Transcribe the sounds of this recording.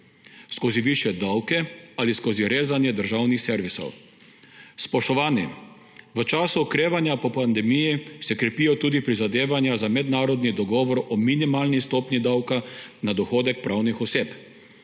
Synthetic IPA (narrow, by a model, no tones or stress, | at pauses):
skoːziʋiʃjɛd̪awkɛaliskoːziɾeːzanjɛd̪əɾʒawnixsɛɾʋisɔ̰w | spɔʃt̪ɔʋaːnjɛ | ʋət͡ʃaːsuɔkɾeːʋanjapɔpand̪ɛmijisɛkɾɛpiːjɔt̪uːd̪ipɾizad̪eːʋanjazamɛd̪naːɾɔd̪nid̪ɔɡɔːʋɔɾɔminimaːlnist̪ɔːpnid̪awkanad̪ɔxoːd̪ɛk̚pɾʔawnixɔseːp